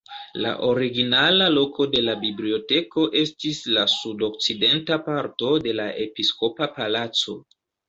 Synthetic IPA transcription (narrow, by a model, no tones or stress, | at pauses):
la̰ʔo̞ɾiɡinalalo̞ko̞de̞labiblio̞te̞ko̞ʔe̞stislasudo̞k̚t͡side̞ntapaɾto̞de̞laʔe̞pisko̞papalat͡so̞